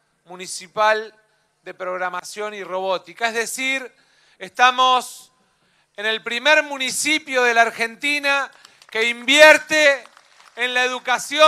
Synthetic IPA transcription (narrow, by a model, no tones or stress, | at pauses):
munisipal | d̪e̞pɾo̞ɣɾamasjo̞niro̞β̞ot̪ikaeɦðe̞siɾ | est̪amos | ene̞lpɾimeɾmunisipjoðe̞laːɾxe̞nt̪ina | ke̞imbjeɾt̪eː | nlaeðukasjo